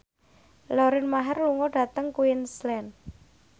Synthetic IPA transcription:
lɔɾɪnmaɦɛrluŋɔɖ̥ä̤t̪əŋkuɪnslɛn

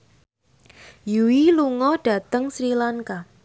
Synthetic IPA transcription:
juwiluŋɔɖ̥ä̤t̪əŋsɾilaŋka

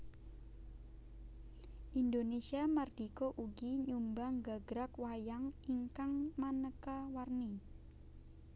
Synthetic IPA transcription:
ʔind̪onesiamard̪̥ikoʔuɡiɲumbaŋɡaɡ̥ɾakwajaŋiŋkaŋmanəkawarni

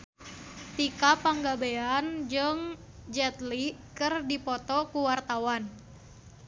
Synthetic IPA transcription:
t̪ikapaŋɡabeand͡ʒɨŋ | d͡ʒɛt̪likɨrdipɔt̪ɔkuwart̪awan

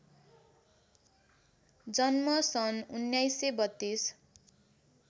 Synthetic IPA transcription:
d͡zʌnmʌsʌnunjajsebʌt̪ːis

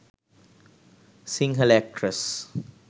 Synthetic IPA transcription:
sĩŋelɛk̚ʈʰɾəs

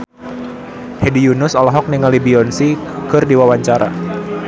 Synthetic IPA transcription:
hedijunʊsalɦɔk̚niŋalibiɔnsikɨrdiwawaɲt͡ʃaɾʔa̰

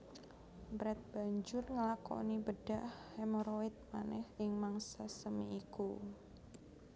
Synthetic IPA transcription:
bɾɛt̪̚b̥aɲd͡ʒʊrŋəlako̰nibəɖ̥ahːɛmoɾoɪt̪̚manɛhɪŋmaŋsasəmiiku

